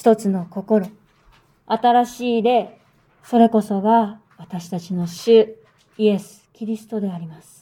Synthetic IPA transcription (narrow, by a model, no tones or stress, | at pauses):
ç̥t̪o̞t͡sɨno̞ko̞ko̞ɾo̞ | at̪aɾaɕiːd̪e̞ | so̞ɾe̞ko̞so̞ɡa | βat̪aɕi̥t̪at͡ɕino̞ɕɨ | ie̞sɨ̥kʲiɾʲisɨ̥t̪o̞d̪e̞aɾʲimasɨ̥